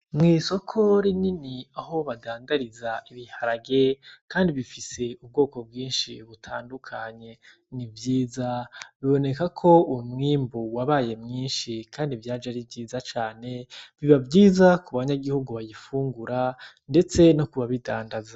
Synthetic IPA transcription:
mŋiːso̞kʰo̞ɾininiaho̞βadaːndaɾizaʔiβihaɾaɡe̞kaːndiβifise̞ub̚ɡo̞ːko̞b̚ɡiːnʃiβutʰaːndukʰaɲe̞ | nivjiːzaβiβo̞ne̞kakʰo̞umŋiːmbuwaβaje̞mŋiːnʃikʰaːndivjaːd͡ʒaɾivɟiːzat͡ʃaːne̞βiβavɟiːzakuβaɲaɡihuɡuβajifuːŋɡuɾa | nde̞t͡se̞nokuβaβidaːndaza

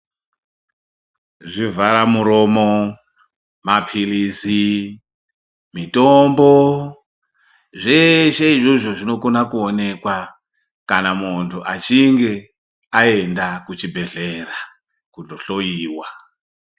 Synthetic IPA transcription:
ʐivʱaɾamuɾo̞mo | mapʰilisi | mitombo | ʐe̞ʃeiʐoʐoʐino̞ko̞nakuone̞kwa | kanamuntʰuʔat͡ʃiŋɡe̞ | ae̞ndakut͡ʃibʱe̞ɮe̞ra | kundoɬo̞jiːwa

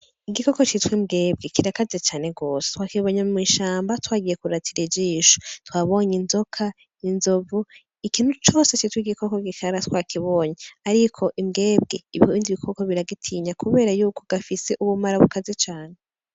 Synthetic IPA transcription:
iɡiko̞kot͡ʃitwimɡe̞ːb̚ɡekiɾakazet͡ʃaːne̞ɡo̞ːsetwakiβo̞ːɲemiːʃaːmbatwaːɡije̞kuɾatʰiɾid͡ʒiːʃo̥twaβo̞ɲinzo̞kʰa | inzovu | ikiːn̥ut͡ʃo̞ːset͡ʃitwiɡiko̞koɡikʰaɾatwakʰiβo̞ːɲeaɾikʰo̞ʔimɡe̞ːbɡeiβḭhoβiːndiβikʰo̞ko̞βiɾaɡitʰiːɲakuβe̞ːɾajuːko̞ɡ̥afise̞ʔuβumaɾaβukazet͡ʃaːne

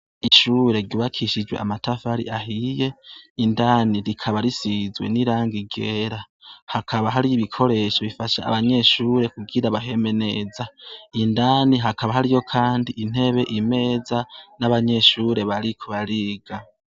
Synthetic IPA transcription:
iʃuːɾe̞ɾɟuːβakʰiʃid͡ʒweʔa̰matafaɾḭʔaɦije̞indaːniɾikʰaβaɾisizwe̞̰niɾaːŋɡiɡeːɾa | hakʰaβaɦaɾiːβikʰo̞ɾe̞ʃoβifaʃa̰a̰βaɲe̞ʃuːɾe̞kuɡiɾaβaɦe̞me̞ne̞zaindaːniɦakʰaβaɦaɾijo̞kʰaːndiʔin̥e̞βe̞ʔime̞ːzanaβaɲe̞ʃuːɾe̞βaɾikʰuβaɾiːɡa

